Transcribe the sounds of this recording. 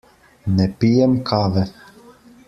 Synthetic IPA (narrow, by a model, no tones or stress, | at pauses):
nɛpijɛmkʰaːʋɛ